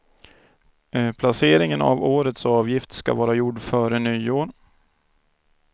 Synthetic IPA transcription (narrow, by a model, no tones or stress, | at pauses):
pʰlaseːɾɪŋəna̰voːɾət̪sɑːvjɪft̪ska̰vɑːɾajʊɖːfœːɾənyːoːɾ